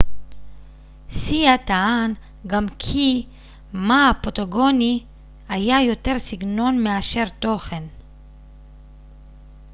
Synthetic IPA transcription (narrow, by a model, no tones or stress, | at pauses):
siat̪aan | ɡamkʰi | maapot̪oɡo̞ni | ajajo̞t̪e̞ʁsiɡno̞nmeaʃe̞ʁt̪o̞χe̞n